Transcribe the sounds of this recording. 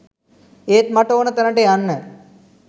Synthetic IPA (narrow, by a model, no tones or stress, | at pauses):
eːt̪maʈoːnət̪ænəʈejanːə